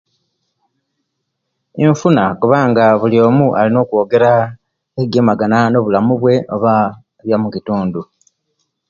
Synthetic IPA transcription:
eɱfunakuβaːŋɡaβulijo̞ːmuʔalino̞ːkuo̞ːɡe̞ɾa | eɡemaɡanano̞βulamuβwe̞o̞βa | βjamukituːndu

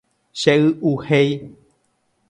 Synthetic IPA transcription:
ʃeɨuhej

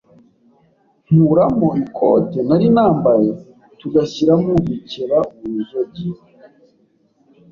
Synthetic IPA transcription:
m̥uɾamo̞ikʰo̰tenaɾinaːmbaje | tuɡasiɾamuviceɾamuizoɟio

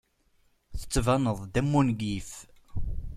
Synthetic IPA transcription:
θə̥t͡sːvænəðˤd̪æmːunɡif

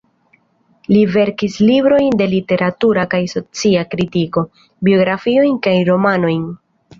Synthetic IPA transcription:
live̞ɾkislibɾo̞jnde̞lite̞ɾatuɾakajso̞t͡siakɾitiko̞ | bio̞ɡɾafio̞jnkajɾo̞mano̞jn

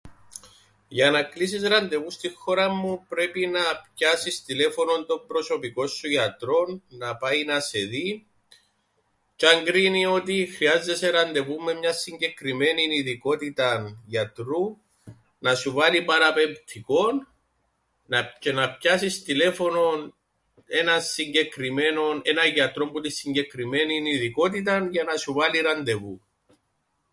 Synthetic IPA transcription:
ʝɐnɐklis̬isɾɐnd̪e̞vust̪ixːo̞ɾɐmːupɾe̞pinɐpcɐsist̪ile̞fo̞no̞nt̪o̞mbɾo̞so̞piko̞sːujɐt̪ɾo̞nːɐpɐjinɐse̞ði | t͡ʃɐŋɡɾinio̞t̪ixɾiɐze̞seɾɐnd̪e̞vumːe̞mɲɐsiɲɟe̞kɾime̞niniðiko̞t̪it̪ɐnʝɐt̪ɾu | nɐsuvɐlipɐɾɐpe̞mpt̪ʰiko̞nː | ɐcenɐpcɐsist̪ile̞fo̞no̞n | e̞nɐnsiɲɟe̞kɾime̞no̞ne̞nɐʝɐt̪ɾo̞mbut̪isːiɲɟe̞kɾime̞niniðiko̞t̪̬it̪̬ɐnʝɐnɐsuvɐliɾɐnd̪e̞vu

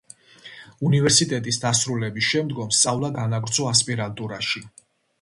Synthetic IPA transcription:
univɛɾsit̪ʼɛt̪ʼisd̪asɾulɛbisʃɛmd̪ɡɔmst̪sʼavlˠaɡanaɡɾt̪sʰɔaspʼiɾalt̪ʼuɾaʃi

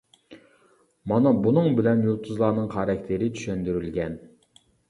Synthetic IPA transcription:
mɑnɑbunɨŋbɪlɛnjolˠt̪ʰuzlˠɑːnɨŋχɑɾɑkʲt̪ʰɪɾɪt̪ʰy̥ʃønd̪yɾylɡʲɛn

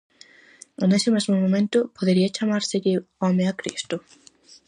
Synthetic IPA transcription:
enesɪmezmomõmẽnt̪ʊpoðeɾiat͡ʃamaɾseʎɪɔmẽakɾḭst̪ʊ

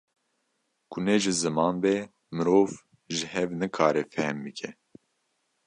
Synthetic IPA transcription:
kʰunɛʒɨzɨmɑːnbɛ | mɨɾoːv | ʒɨhɛvnɨkʰɑːɾɛfɛhmbɨkʰɛ

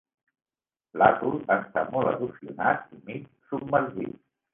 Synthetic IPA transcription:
lat̪uləst̪amɔlə̰ðusiunat̪imit̪ | subməɾʒḭt̪

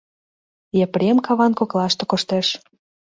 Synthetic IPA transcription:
jepɾʲemkɑβɑnkoklɑʃt̪ĕkoʃt̪eʃ

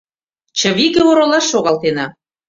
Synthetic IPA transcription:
t͡ɕə̆βiɣeoɾolɑʃːoɣɑlt̪enɑ

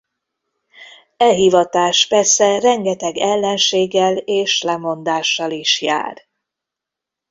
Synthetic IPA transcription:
ɛɦivɒt̪aːʃpɛrsɛrɛŋɡɛt̪ɛɡɛlːɛnʃeːɡːɛleːʃlɛmo̞nd̪aːʃːɒliʃja̰ːr

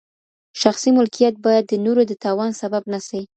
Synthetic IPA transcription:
ʃaxsimʊlkijat̪̚bɑjad̪ːənoɾod̪ət̪ɑwɑnsababnasai

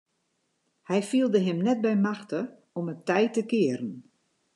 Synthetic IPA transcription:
hɛjfilˠdəɦɪmnɛt̚bɛjmaxtə | ɔmətɛjtəkɪəɾən̩

